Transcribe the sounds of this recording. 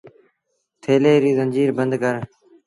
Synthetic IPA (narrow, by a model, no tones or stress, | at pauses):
t̪ʰeːleːɾiːzənd͡ʒiːɾbənd̪ɡəɾ